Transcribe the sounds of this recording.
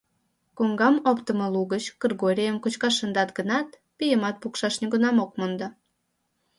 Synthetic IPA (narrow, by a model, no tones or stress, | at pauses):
koŋɡɑmopt̪əmoluɣət͡ɕkərɣoɾʲijəmkut͡ɕkɑʃənd̪ɑt̪ɡənɑt̪ | pijəmɑt̪̚pukʃɑʃniɡunɑmokmond̪ɑ